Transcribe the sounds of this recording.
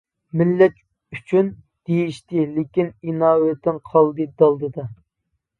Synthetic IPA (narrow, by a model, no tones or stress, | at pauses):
mɪlːɛt̪ | yt͡ʃʰyn | d̪̥ejiʃt̪ɪlekʲininɑːwɛt̪ʰːɪnqʰɑlˠd̪ɨd̪ɑlˠd̪ɨd̪ɑ